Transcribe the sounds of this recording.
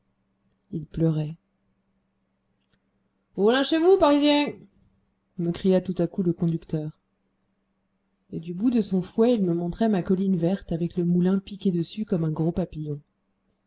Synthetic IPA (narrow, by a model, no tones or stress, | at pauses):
ilplœʁɛ | ulɛ̃ʃevupaʁizjɛ̃ | məkχijat̪ut̪akuləkɔ̃d̪ykt̪œːʁ | ed̪ybud̪əsɔ̃fwɛilməmɔ̃t̪χɛmakɔlinvɛʁt̪avɛkləmulɛ̃pikʲed̪əsykɔmɛ̃ɡʁopapijɔ̃